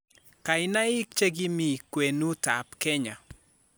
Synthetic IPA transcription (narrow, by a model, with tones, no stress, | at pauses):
ka˨ɪna˦ɪ˦k̚t͡ʃe˦ɡi˦mi˨kwe˨nu˦ta˨pkɛ˦ɲa˨